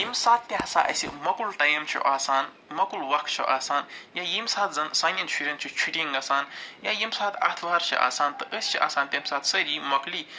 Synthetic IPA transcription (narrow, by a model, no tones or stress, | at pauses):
jimsaːt̪̚p̪ʲeɦɐsa̰ːʔɐ̰sḭmɐkulʈɐjɐmt͡ʃʰṵʔaːsaːn | mɐkulʋɐkʰt͡ʃʰṵʔaːsaːnjajimsaːt̪ʰzɐnsaːnjɐnt͡ʃʰuɾʲent͡ʃʰit͡ʃʰiʈʲiŋɡɐsaːnjajimsaːt̪ʰa̰t̪ʰʋaːɾt͡ʃʰḭʔa̰ːsaːnt̪ɨʔəsʲt͡ʃʰiʔa̰ːsaːnt̪ʲɐmsaːt̪ʰsɐɾimɐkli